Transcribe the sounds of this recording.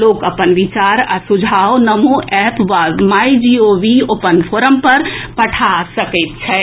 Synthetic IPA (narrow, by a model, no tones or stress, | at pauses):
loːkɐpənʋɪt͡ʃaːɾɐsʊd͡ʒʱaːonɐmuʔɛːpʋamaːid͡ʒiːoːʋioːpənpʰoːɾəmpɐɾpɐʈʰasɐkit̪̚t͡ʃʰɛː